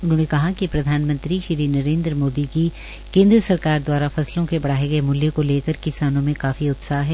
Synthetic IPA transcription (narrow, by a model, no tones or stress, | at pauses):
ʊnɦõːnekɐɦakipɾɐd̪ʱaːnmɐ̃nt̪ɾiʃɪɾinɐɾẽːnd̪ɾmoːd̪iki | kẽːnd̪ɾəsɐɾkaːɾd̪waːɾafɐslõkebɐɽ̤aːeɡɐemʊljekoleːkɐɾkɪsaːnõmẽkaːfiʊt̪saːɦɦɛː